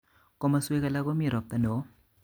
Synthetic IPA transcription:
ko˦ma˦su˦e˦kɐ˦la˦ɡo˦mi˦˨ɾo˨p̚t̪ɐ˨no˨˦

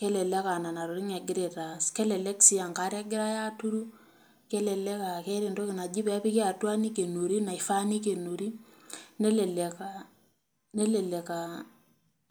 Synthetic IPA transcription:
kɛ˦lɛ˨lɛ˦ka˨na˨na˨ɾo˨ɾi˦ŋɛ˨ɡɪ˦ɾe˨ta˨skɛ˦lɛ˨lɛ˦ksi˦a˨ŋka˦ɾja˦ɡɪ˦ɾa˦ja˦tu˦ɾu˦ | kɛ˦lɛ˨lɛ˦ka˨kɛ˦ɾe˨ndo˦kɪ˨na˨d͡ʒi˦pɛ˦pi˦ke˦a˨twa˦ni˦ke˨no˨ɾi˦na˨ɪ˨fa˦ni˦ke˨no˨ɾi˦ | nɛ˦lɛ˨lɛ˨ka˨ | nɛ˦lɛ˨lɛ˨ka˨

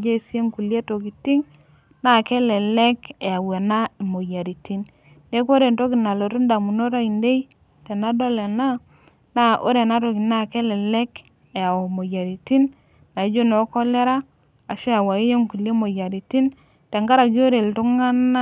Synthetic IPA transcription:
d͡ʒe˦˨si˦e˦ŋku˨lje˦to˨ki˨ti˦ŋ | na˦˨kɛ˦lɛ˨lɛ˦ke˨a˨we˨na˦i˨mo˨ja˨ɾi˨ti˦nː | e˦k̬o˦ɾe˨nto˦ki˨na˨lo˨to˦nda˨mu˨no˦ɾa˦i˨nde˦i˦ | te˨na˦do˦le˨na˦ | na˦˨ʔo̰˦ɾe˨na˦to˨ki˨na˦kɛ˦lɛ˨lɛ˦k | e˨a˨o˨mo˨ja˨ɾi˨ti˦n | na˨i˨˦d͡ʒo˦no˨˦kɔ˦le˦ɾa˦ | a˨ʃe˦a˨wa˨i˦je˦ŋku˨lje˦mo˨ja˨ɾi˨ti˦n | te˨ŋɡa˦ɾa˨k̬jo˦ɾe˨ltu˦ŋa˦na˦

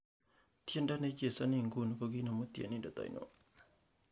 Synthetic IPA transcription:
t̪ʰi˦˨nda˦ne˦t͡ɕe˨sa˦ni˧˨ŋ˨ɡu˨nu˨kɔ˧ɡi˦˨na˨mu˦t̪i˨ə˨ni˦˨da˨t̪a̰˨jnʔo̰˨

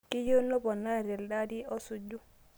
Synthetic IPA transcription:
ki˦jo˦no˦bɔ˨na˦˨ɾɛ˨lda˦di˦ɔ˦su˨d͡ʒu˦

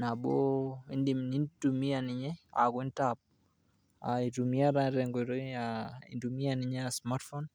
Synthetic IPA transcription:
na˨bɔ˦i˦ndi˨mni˦ntumi˦a˨ni˨ɲɛ˦a̰˨ɡwe˦ntap̚ | a̰i˨tumi˦a˦ɾaɾɛ˨ŋɡɾaḭ˨ndumi˦ani˨ɲ˦asma˦tfɔn

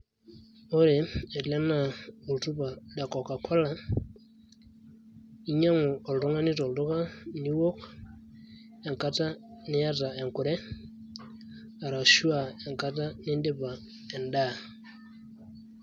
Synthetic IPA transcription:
o˦ɾe˨ɛ˨lɛ˦na˨u˨ltu˦ba˨da˨kɔ˨ka˨kʰa˦la˨ | i˦ɲa˦ŋʊ˨ɔ˨ldʊ˦ŋa˦nɪ˦tɔ˨ldʊ˦ka˦ni˦wo˦k | ɛ˨ŋka˦ta˦nɪ˦ja˦ta˨ɛ˨ŋkʊ˨ɾɛ˦ | a˨ɾa˨ʃu˦a˨ɛ˨ŋka˦ta˦nɪ˦nde˦ba˨ | ɛ˨nda˦˨

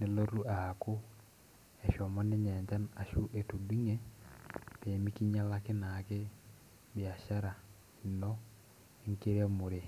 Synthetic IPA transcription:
ne˦lo˦ɾu˦a˨ha˨ko˦ | ɛ˨ʃɔ˨mɔ˦ne˦ɲɛ˨ɲd͡ʒa˦na˨ʃu˦ʔe˨tu˨di˦ŋe˦ | peː˨mi˦ki˦ɲa˦la˦ke˦na˨ke˦ | bi˨a˨ʃa˦ɾa˨ | i˨nɔ˦ | e˦ŋke˦ɾa˦mo˨ɾe˨

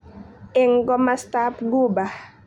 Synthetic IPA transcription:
ɛ˦ŋɡɔ˦mastapɡu˦ba

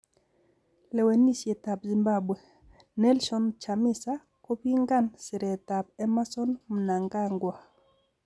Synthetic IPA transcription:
lɛ˨we˨nːi˦sje˨t̪a˨pzi˨mba˦bwe˨ | nɛ˦lʃɔ˦nt͡ʃamɪ˦sa | ko˦pi˦ŋɡa˦nsɪ˨ɾɛ˨t̪a˨p̚ɛ˦ma˦sɔ˦nm˨na˨ŋɡa˦ŋɡwa˨

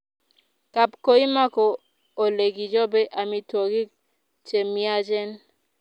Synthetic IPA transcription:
ka˨pko˦i˦ma˦kɔ˨ | o˨le˨ɡi˨d͡ʒɔ˦bɛ˦ʔa˨mi˨to˨ɡi˦ | t͡ʃe˨mi˦a˦d͡ʒɛ˦n

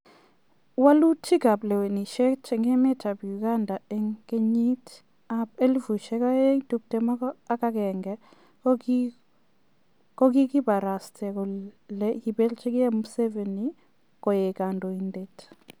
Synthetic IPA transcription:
wa˦lu˦tʰi˦ɡa˨ble˨we˨ni˨ʃe˦t͡ʃɛ˨ŋɡe˦mɪ˦tʰa˨bju˨ɡa˦nda˨e˨ŋke˦ɲi˦t | a˦pe˦lvu˨ʃe˦ka˦e˦ŋtu˨k̚te˨mɔ˦kɔ˦a˦ka˦kɛ˨ŋɡɛ˦ | kɔ˦ɡi˦kɪ˦ba˨ɾa˨stʰɛ˨kɔ˨le˦i˨be˦lt͡ʃe˦kɪ˦ɛ˦mse˦ve˨ni˨ | kɔ˨je˨ka˨ndɔ˨i˨nde˨t

